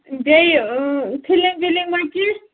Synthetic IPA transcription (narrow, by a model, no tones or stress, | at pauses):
bejpʰiliŋbiliŋmaki